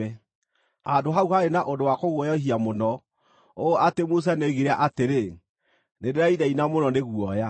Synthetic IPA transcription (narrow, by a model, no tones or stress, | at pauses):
ɛ | adoɦauhaenaʔondowakoɣwɔjɔɦiamonɔ | oatemos̬aneɣiɾaʔateɾe | nedeɾaiðainamonɔneɣuɔja